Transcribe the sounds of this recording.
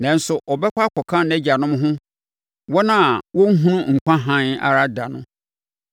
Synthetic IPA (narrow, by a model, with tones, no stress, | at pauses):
nã˨n̩˦sʊ˨ʔɔ˨bɛ˦kʷa˦kʰɔ˨kʰã˦nɛ˦d͡ʑa˨nʊ̃˦m˦ɦʊ̃˦ | wɔ˦nã˦a˨wɔ˦ŋ̩˦ɦũ˦nʊ̃˦ŋ̩˨kʷã˦ɦã˦na̰˨ɾa˦da˨nʊ̰̃˦